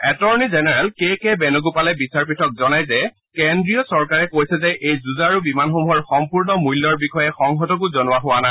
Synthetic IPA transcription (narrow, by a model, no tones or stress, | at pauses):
ɛtɔɹnizɛnɛɹɛlkekɛbɛnʊɡupalɛbisaɹpitʰɔk̚zɔnajzɛ | kendɹijɔsɔɹkaɹɛkojsɛzɛʔejzuzaɹubimanxomuɦɔɹxɔmpuɹnɔmujlːɔɹbixɔjɛxɔŋɦɔtɔk̬uzɔnʊwaɦʊana